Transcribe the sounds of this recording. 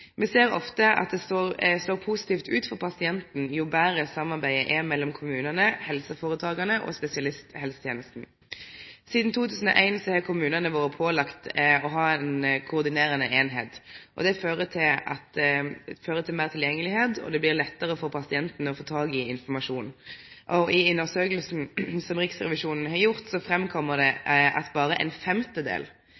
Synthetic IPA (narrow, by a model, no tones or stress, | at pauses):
mɛseːɾɔ̰ft̪əʔɑ̰t̪̚d̪ɛst̪oʁst̪oːɾpʰusɪ̥t̪iːft̪ʉːt̪fɔɾpʰɑsɪɛnt̪n̩jʊbæːɾəsɑmːɑʁbæɪəʔɛmɛlːɔmkʰʊmʉːnənəhɛlsəfoːʁət̪ʰɑːɡɑnəʔɔ̰spɛsɪɑlɪst̪hɛlsət̪jeːnəst̪n̩ | siːd̪n̩t̪ʰuːt̪ʰʉːsn̩ɔ̰ʔæɪnsɔhɛːkʰʊmʉːnənəʋoːɾəpʰoːlɑkt̪ɔɦɑːɛnkʰʊːʁd̪ɪneːɾənəʔeːnɦeːt̪ʔɔ̰d̪ɛføːʁət̪ʰɪlɑ̰t̪ | føːʁət̪ʰɪlmeːʁt̪ʰɪljɛŋːəlɪheːd̪ɔ̰d̪ɛblɪʁlɛt̪ːəʁəfɔʁpʰɑsɪɛnt̪nəɔfoːt̪ʰɑːɡɪɪnfɔmɑʂuːnʔɔɪʉnːəʁsøːkəlsn̩sɔmʁɪksʁɛ̰ʋɪʃuːnn̩ɦɑɾjʊʁt̪sɔfɾɛmkʰɔmːəʁd̪ɛʔɑ̰t̪bɑːʁəʔɛ̰nfɛmt̪əd̪ḛːl